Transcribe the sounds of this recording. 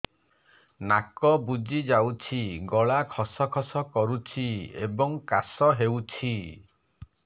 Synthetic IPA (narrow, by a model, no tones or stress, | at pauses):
nakɔbud͡ʒid͡ʒawt͡ʃʰiɡɔɭakʰɔsɔkʰɔsɔkɔɾut͡ʃʰiḛbɔŋkasɔɦewt͡ʃʰi